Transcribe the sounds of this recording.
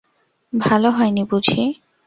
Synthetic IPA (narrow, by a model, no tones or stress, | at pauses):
bʱaloɦɔenibud͡ʑʱʰi